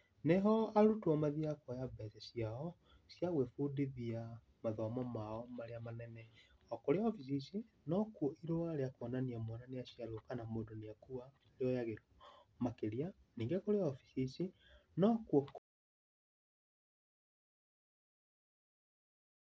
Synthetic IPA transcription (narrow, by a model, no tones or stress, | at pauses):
neɦɔaɾutwɔmaðiakɔjabɛsɛsiaɔ | sjaɣwefudiðia | maðɔmɔmaɔmaɾeamanɛnɛ | ɔkoɾeaɔfis̬isi | nɔkwɔʔiɾoaɾeakwɔnaniamwɔnaneasjaɾokanamoːdoniakua | ndeɔjaɣeɾɔmakeɾianiːŋɡɛkoɾeaɔfi̥sisinɔkwɔ